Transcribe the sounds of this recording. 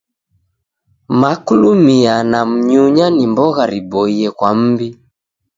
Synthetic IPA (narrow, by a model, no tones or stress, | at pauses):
makulumianam̩ɲuɲanimbɔɣaɾibɔiɛkwam̩bi